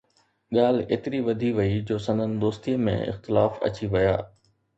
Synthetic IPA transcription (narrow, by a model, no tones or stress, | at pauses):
ɠaːl̤eːt̪ɪɾiʋɐd̪ʱiʋɐid͡ʑoːsɐ̃nd̪ʱən̆d̪oːst̪iəmḛ̃ɪ̰xt̪ɪlaːfɐ̰t͡ɕiʋɐja̰ː